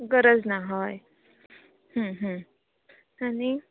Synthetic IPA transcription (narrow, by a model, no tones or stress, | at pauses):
ɡəɾəd͡znaɦoj | ɦə̃ɦə̃ | ani